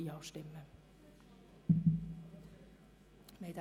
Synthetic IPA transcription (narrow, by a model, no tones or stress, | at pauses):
ɑust̪imːe | mejt̪æ